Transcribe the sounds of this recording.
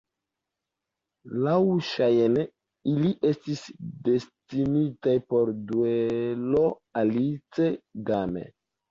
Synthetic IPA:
lawʃajen | iliʔe̞stisde̞stinitajpo̞ɾduelo̞ | alit͡se̞ɡamḛ

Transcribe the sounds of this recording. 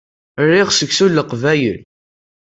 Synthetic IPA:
ərːɪʁsəɡsulːəqvæjə̰l

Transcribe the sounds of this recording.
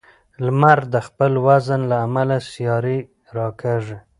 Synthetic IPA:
lmaɾd̪əxpəlwazənlaːmalasjɑɾi | ɾɑkʰeʐe

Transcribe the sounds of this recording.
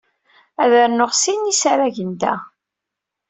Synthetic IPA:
æðəɾnʊʁsinisaɾæʝənd̪æ̰

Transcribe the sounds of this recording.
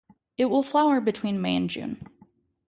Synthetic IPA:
ɪt̚wɪlˠflaʊə˞bɨtʰw̥ĩnmeɪɨ̰̃nd͡ʒʉ̰̃n

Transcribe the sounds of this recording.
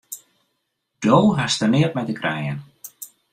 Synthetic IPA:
d̥owɦastərnɪət̚mɛjtəkʰrɛjən

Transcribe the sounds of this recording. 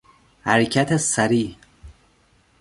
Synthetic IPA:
hæɾcʰat̪ʰesæɾiː

